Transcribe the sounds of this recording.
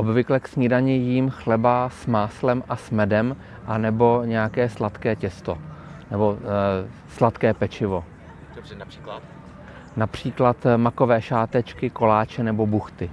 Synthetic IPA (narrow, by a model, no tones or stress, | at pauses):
ʔobvɪklɛksɲɪdaɲɪjiːmxlɛbaːsmaːslɛmʔasmɛdɛm | ʔanɛbo̞ɲɛjakɛːslat̪kɛːcɛst̪onɛbo̞ | slat̪kɛːpɛt͡ʃɪvo̞ | i | napr̝̥iːklat̪mako̞vɛːʃaːt̪ɛt͡ʃkɪko̞laːt͡ʃɛnɛbo̞buxt̪ɪ